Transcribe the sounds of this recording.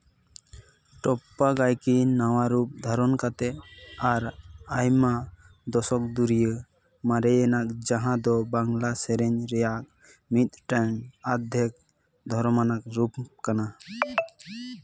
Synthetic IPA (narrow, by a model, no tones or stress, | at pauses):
ʈɔpːaɡajkinawaɾup̚d̪ʱaɾɔnkat̪ɛaɾajma | d̪ɔsɔk̚d̪uɾijə | maɾɛjɛnak̚d͡ʒaɦãd̪ɔbaŋlasɛɾɛɲɾɛjak̚ | mit̪̚ʈaŋad̪ʱjɛk̚ | d̪ʱɔɾmanak̚ɾupkana